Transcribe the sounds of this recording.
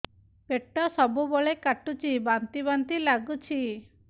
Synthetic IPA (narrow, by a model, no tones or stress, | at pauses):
peʈːɔsɔbubɔɭekaʈut͡ʃʰibant̪iβant̪ilaɡut͡ʃʰi